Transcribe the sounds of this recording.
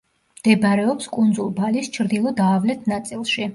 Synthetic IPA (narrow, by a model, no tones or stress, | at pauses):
md̪̥ɛbɾɛɔpskʼund̪zulˠbalist͡ʃʰɾd̪ilˠɔd̪aːvlɛt̪ʰnat̪sʼilˠʃi